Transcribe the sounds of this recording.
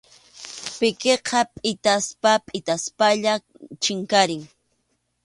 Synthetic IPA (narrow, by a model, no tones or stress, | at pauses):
pɪkeqʰɑpʼɪt̪aspapʼɪt̪aspaʎa | t͡ʃɪŋkaɾɪŋ